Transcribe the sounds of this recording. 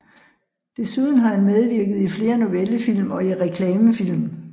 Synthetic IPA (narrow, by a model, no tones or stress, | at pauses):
d̥e̝suð̞ˠn̩ɦɑ̈hænmeð̞ˠʋiɐɡ̥əð̞̩ˠifle̝ːɐno̝ʋeləfil̰mɒ̽iʁɛkʰlɛːməfil̰m